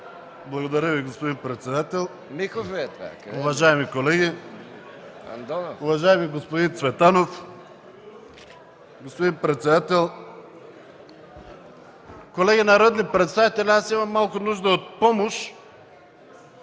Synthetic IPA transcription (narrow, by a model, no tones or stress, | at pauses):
blˠɐɡod̪ɐɾʲəviɡospod̪inpɾɛt̪sɛd̪at̪ɛlˠ | mixofɛʊvaʒaɛmikolɛɡi | d̪ʊvaʒaɛmiɡospod̪int̪svɛt̪anof | ɡospod̪inpɾɛt̪sɛd̪at̪ɛlˠ | kolɛɡinɐɾɔd̪nipɾɛt̪st̪avit̪ɛlʲiasimɐmːalˠkʊnuʒd̪əot̪̚pomoʃ